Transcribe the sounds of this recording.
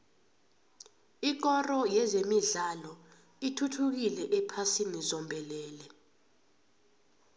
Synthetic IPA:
ik̬ɔrɔjɛzemiɮalɔ | itʰutʰuk̬ilɛʔɛpʰasinizɔmbʱɛlɛːlɛ

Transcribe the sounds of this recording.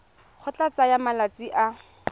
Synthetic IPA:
k͡xʰɔt͡ɬat͡sajamalat͡siʔa

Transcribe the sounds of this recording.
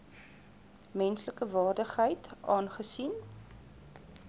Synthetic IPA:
mɛnsləkəvɑːrdəχɦəjtʔɑːnχəsin

